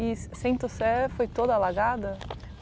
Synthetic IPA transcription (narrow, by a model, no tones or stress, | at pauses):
issẽt̪ʊsɛfojt̪od̪ɐalaɡad̪ɐ